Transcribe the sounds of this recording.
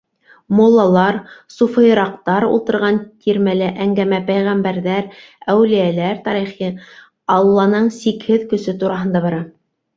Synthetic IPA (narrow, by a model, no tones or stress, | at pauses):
molˠːɑlˠɑɾsufɤ̆jɤ̆ɾɑq̚t̪ɑɾṵlˠt̪ɤ̆ɾʁɑnt̪ʰiɾmælɘʔæŋɡæmæpæjʁæmbæɾðæɾæwlijælæɾt̪ɑɾiχi | ɑlˠːɑnɤɴsikhɘðkɵ̆sɵt̪uɾɑɦɤ̆nd̪ɑβɑɾɑ